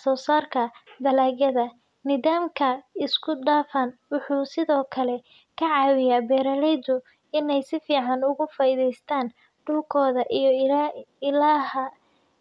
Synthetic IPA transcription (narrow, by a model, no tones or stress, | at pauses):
sɔːsaːrkʰɐd̪ɐlaːɣɐðɐ | nɪðaːmkʰɐɪskʰʊdaːfɐnwʊħuːsɪðɔːkʰɐlɛ | kʰɐʕɑːwɪjaːbɛːɾɐlɛjd̪ʊ | ɪnɛjsɪfiːʕɑnʊɣʊfaːɪðɛjst̪ʰaːn | ɖ̥uːkʰɔːðɐʔij | ɪlaːhɐ